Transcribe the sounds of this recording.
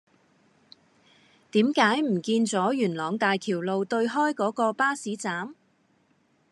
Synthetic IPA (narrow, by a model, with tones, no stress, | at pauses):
t̪iː˨˥mkaː˨˥jm̩˨˩kiː˧nt͡sɔː˨˥jyː˨˩nlɔː˨˧ŋt̪aː˨jk̪ʰiː˨˩wlo˨wt̪ɵ˧ɥɦɔː˥jkɔː˨˥kɔː˧paː˥siː˨˥t͡saː˨˥m